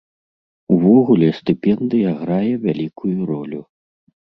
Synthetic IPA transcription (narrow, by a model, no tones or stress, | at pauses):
uvɔɣulʲɛst̪ɨpʲɛnd̪ɨjɐɣɾajɛvʲalʲikʰujuɾɔlʲu